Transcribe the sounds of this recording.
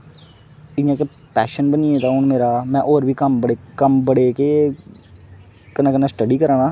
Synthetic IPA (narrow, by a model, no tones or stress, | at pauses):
ɪjãːke | pɛːʃənbəniẽːt̪ãːɦʊɳmeːɾaːmɛ̃ːʔoːɾbʱiːkəmbəɽekəmbəɽeːke | kənãːkənãːsʈəɖiːkəɾaːnaː